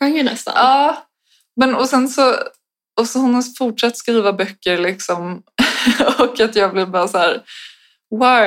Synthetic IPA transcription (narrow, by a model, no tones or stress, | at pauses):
aŋjənɛ̰st̪a̰ɑː | mɛnɔsɛnsɔ | ɔsɔhʊnafʊʈʂat̪ːskɾiːvabœkːəɾlɪksɔm | ɔkːat̪jɑːɡblɪɾbɑɾasæːɾ | wa